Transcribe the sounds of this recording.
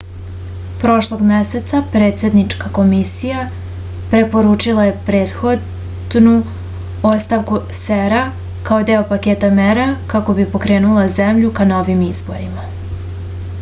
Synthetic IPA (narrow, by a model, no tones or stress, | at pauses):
pɾo̞ʃlˠoɡmese̞t̪sapɾe̞ːt̪se̞d̪nit͡ʃkako̞misija | pɾe̞po̞ɾuːt͡ʂilaje̞pɾe̞ːt̪xo̞d̪ | d̪nu | o̞st̪aʋku | seɾa | kaod̪e̞opake̞ːt̪ameɾakako̞bipo̞kɾe̞ːnulˠazemʎukano̞ːʋimizbo̞̰ɾima